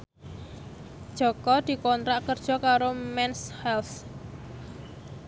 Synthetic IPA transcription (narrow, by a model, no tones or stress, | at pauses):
d̥ʒ̥ɔ̤kɔd̪̥i̤kɔnt̪ɾaʔkərd̥ʒ̥ɔ̤kaɾomɛnshɛlθ